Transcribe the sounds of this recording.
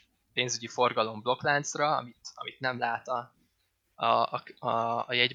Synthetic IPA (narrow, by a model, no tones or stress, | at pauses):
peːnzyɟifo̞rɡɒlo̞mblo̞klant̪srɒɒ̰mit̪ɒmit̪nɛmlaːt̪ɒ | ɒɒːjɛɟ